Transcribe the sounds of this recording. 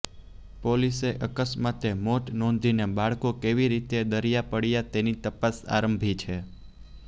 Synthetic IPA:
poliseʔəkəsmat̪emoʈnɔ̃nd̪ʱinebaɭkokeʋiɾit̪ed̪əɾijapəɽjat̪enit̪əpasa̰ɾəmbʱit͡ʃʰe

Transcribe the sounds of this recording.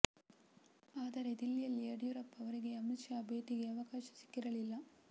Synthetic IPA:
aːd̪ɐɾe̞d̪ilːijɐlːiɐɽjuɾɐpːɐʋɐɾiɡe̞ɐmit͡ʃjaːbeːʈiɡe̞ɐʋɐkaːʃɐ̥si̥kːiɾɐlilːɐ

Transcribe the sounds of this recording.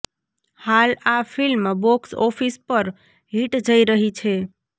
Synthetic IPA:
halapʰilmaboksɔpʰispəɾ | ɦiʈd͡ʒəjɾəɦit͡ʃʰe

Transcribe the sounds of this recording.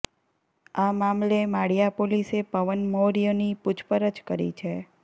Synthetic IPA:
amamlemaɽijapolisepəʋənmoɾijonipʊt͡ʃʰpəɾət͡ʃkəɾḭt͡ʃʰe

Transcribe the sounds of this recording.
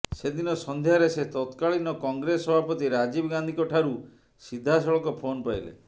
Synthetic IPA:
sed̪inɔsɔnd̪ʱeaɾeset̪ɔt̪kaɭinɔkɔŋɡɾesɔbʱapɔt̪iɾad͡ʒibɔɡand̪ʱikɔʈʰaɾu | sid̪ʱːasɔɭɔkɔpʰonpailḛ

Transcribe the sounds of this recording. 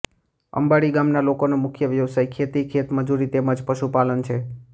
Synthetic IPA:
ə̰mbaɽiɡamnalokonomʊkʰjəʋjəʋsajkʰet̪ikʰet̪məd͡ʒuɾit̪eməd͡ʒpəʃupalənt͡ʃʰe

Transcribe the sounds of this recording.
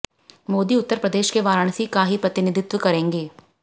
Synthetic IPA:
moːd̪iʊt̪ːəɾpɾəd̪eːʃkeʋaːɾəɳ̃sikaːɦipɾɐt̪ɪnɪd̪ɪt̪ʋəkɐɾẽːŋɡeː

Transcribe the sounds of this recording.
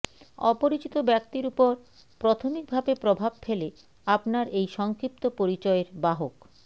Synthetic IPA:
ɔ̰poɾit͡ɕit̪obɛk̚t̪iɾupoɾ | pɾot̪ʰomik̚bʱabepɾobʱabfele | apnaɾejʃɔŋkɾip̚t̪opoɾit͡ɕɔeɾbaɦok

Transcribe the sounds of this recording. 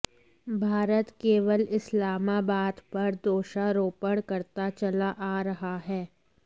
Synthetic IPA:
bʱaːɾət̪keːʋəlɪslaːmaːbaːd̪pɐɾd̪oːʃaɾoːpəɽkɐɾt̪at͡ʃɐlaʔaːɾɐɦaɦɛː

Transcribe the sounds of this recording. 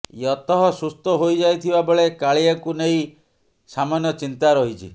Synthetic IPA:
jɔt̪ɔɦɔsust̪ɔɦojd͡ʒajt̪ʰibabɔɭekaɭiaŋkunej | samanjɔt͡ʃint̪aɾɔɦit͡ʃʰḭ

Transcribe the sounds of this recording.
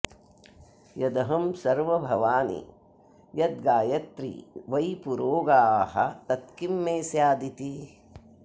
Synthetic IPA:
jɐd̪ɐɦɐmsɐɾʋɐbʱɐʋaːnḭ | jɐd̪̚ɡaːjɐt̪ɾḭʋɐjpuɾoːɡaːɦɐ̰t̪ɐt̪kimːeːsjaːd̪it̪i

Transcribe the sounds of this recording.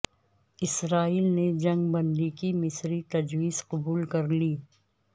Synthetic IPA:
ɪsɾaːiːlned͡ʒɐ̃ŋɡbɐ̃nd̪ikimɪsɾit̪ɐd͡ʒwiːzqʊbuːlkɐɾliː

